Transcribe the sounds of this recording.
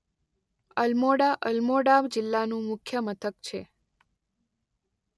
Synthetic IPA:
əlmoɽaʔəlmoɽabd͡ʒɪlːanũmʊkʰjəmət̪ʰəkt͡ʃʰe

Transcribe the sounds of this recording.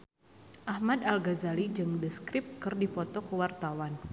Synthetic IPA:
ʔahmadalɡazalid͡ʒɨŋdəskɾɪp̚kɨrdipɔt̪ɔkəwart̪awan

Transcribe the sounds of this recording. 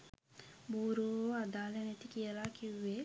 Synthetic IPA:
buːɾooːad̪aːlenet̪ikiəlaːkiʋːe

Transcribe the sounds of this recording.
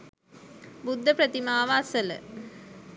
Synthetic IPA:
bud̪ʱːəpɾət̪imaːʋaːsələ̰

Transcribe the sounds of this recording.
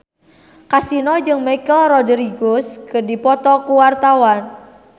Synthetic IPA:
kasinɔd͡ʒɨŋmajkəlrɔdɾiɡoskərdipɔt̪ɔkuwart̪awan

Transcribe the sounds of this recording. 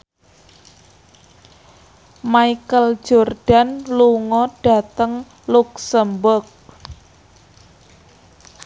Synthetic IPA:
maikəl̥d͡ʒ̥o̤rɖ̥a̤nluŋɔɖ̥a̤t̪əŋ | luksəmbʊrk̚

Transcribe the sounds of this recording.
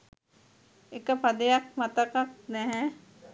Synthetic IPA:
ekəpad̪ejak̚mat̪ɐkak̚nɛɦɛ

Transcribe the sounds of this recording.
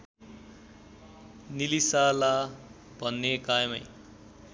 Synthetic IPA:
nilisala | bʱʌnːekajmʌj

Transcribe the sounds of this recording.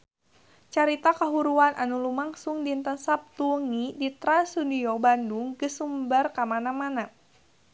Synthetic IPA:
t͡ʃaɾit̪akaɦuɾuanʔanulumaŋsuŋdint̪ənsap̚t̪uŋidit̪ɾansuniɔbanduŋɡəsumbərkamanamana

